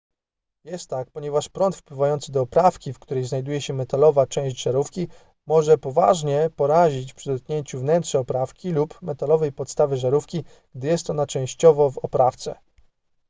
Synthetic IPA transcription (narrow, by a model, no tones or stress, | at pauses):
jɛst̪ːak̚pɔɲɛvaʂpɾɔnt̪fpwɘvajɔnt̪sɘd̪ɔːpɾafkʲifkt̪uɾɛjznajd̪ujɛɕɛmɛt̪alɔvat͡ʂɛ̃w̃ʑd͡ʑʐaɾufkʲi | mɔʐɛpɔva̰ʐɲɛpɔɾaʑit͡ɕfpʂɘd̪ɔt̪̚kɲeɲt͡ɕuvnɛnt̪ʂɛɔpɾafkʲilupmɛt̪alɔvɛjpɔt̪st̪avɘʐaɾufkʲi | ɡ̥̚d̪ɘjɛst̪ɔnat͡ʂɛ̃w̃ɕt͡ɕɔvɔvɔpɾaft̪sɛ̰